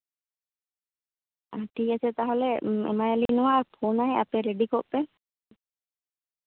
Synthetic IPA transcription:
aʈiːɐset̪aɦoleḛmɐjɐliːnuʋaːpʰoːnaeʔa̰peɾeɖikoʔːe

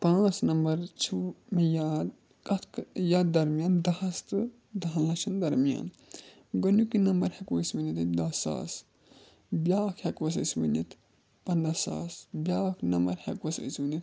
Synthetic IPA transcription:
pãːt͡snɐmbɐɾt͡ʃʰumejaːd̪ | kɐt̪ʰkjaːd̪ːɐɾmijaːnd̪ɐɐst̪ɨ | d̪ʱallɐt͡ʃʰɐnd̪ɐɾmija̰ːn | ɡɐnukinɐmbɐɾhekʋosminit̪ɨd̪ɐsa̰ːs | bʲjaːkhekʋɐs̬ɐ̰smḭnit̪ | pɐnd̪ɐsa̰ːsbʲjaːkʰnɐmbɐɾhekʋɐsɐ̰ismunit̪

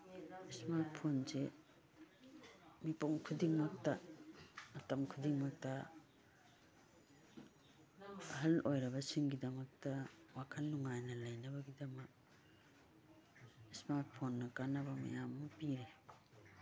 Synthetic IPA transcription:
smaɾt̚pʰonze | mipoŋkʰudiŋmok̚tɐː | tɐmkʰudiŋmok̚tɐ | hɐlojɾɐbɐsiŋɡidɐŋok̚tɐwakʰɐnːuŋajnɐlɐjnɐbɐɡidɐmɐk̚ | smaɾt̚pʰonːɐkanɐbɐmɐ̰jamːupiɾe

